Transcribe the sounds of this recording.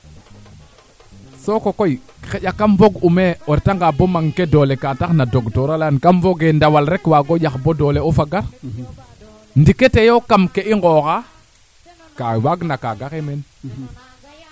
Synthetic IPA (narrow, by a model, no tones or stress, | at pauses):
sokokoi | xejakːamvoɡumeoɾtaŋɡabomaŋkedolekataxnadoɡtoɾalankamvoɡendawalɾekwaɡojaxbodoːleofaɡaɾ | ndiketejokamkeiŋɡoxa | kawaɡnakaɡaxemen